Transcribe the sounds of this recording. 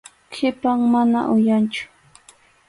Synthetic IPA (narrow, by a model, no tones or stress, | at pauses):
kʰɪpaŋmana̰ʔʊjant͡ʃʊ̥